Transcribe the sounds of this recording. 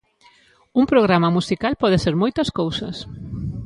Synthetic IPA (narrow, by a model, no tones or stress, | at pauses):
umpɾoɣ̞ɾamɐmusikalpɔðɪseɾmojt̪ɐskowsɐs